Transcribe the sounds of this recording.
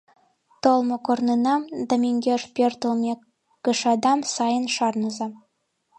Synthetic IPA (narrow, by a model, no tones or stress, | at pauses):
t̪olˠmɤ̆kornɤnɑd̪ɑmʲeŋɡʲeʃpʲert̪ɤ̆lˠmʲe | kɤ̆ʃɑd̪ɑmsɑjə̆nʃɑrnɤ̆zɑ